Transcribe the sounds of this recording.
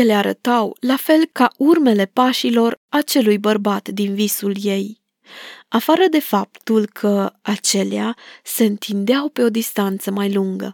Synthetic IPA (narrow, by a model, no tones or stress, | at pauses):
je̞leaɾə̰t̪awlafe̞lkaʔurme̞le̞paʃilo̞rat͡ʃe̞lujbərbat̪d̪invisulje̞j | afaɾəd̪e̞fapt̪ulkʰəat͡ʃe̞lease̞ɨnt̪ʰind̪eawpe̞o̞d̪ist̪ant̪səmajluŋɡə̰